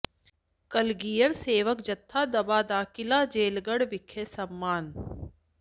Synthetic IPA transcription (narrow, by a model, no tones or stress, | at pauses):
kɐlɡiːjəɾseːʋəkd͡ʒɐt̪ʰːaːd̪ɐbaːd̪aːkɪlaːd͡ʒeːlɡəɽʋɪkʰːesɐmːaːn